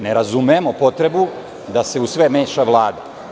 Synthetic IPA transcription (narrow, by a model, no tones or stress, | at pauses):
neɾazumemo̞po̞t̪ɾe̞bu | d̪ase̞usʋemeːʃaʋlˠaːd̪a̰